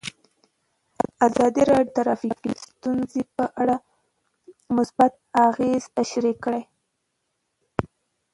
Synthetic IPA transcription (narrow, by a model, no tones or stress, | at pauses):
azɑd̪iɾɑot̪aɾɑfifikst̪unzepəʔaɽa | mʊsbat̪̚aɣez̥t̪aʃɾikːɽaj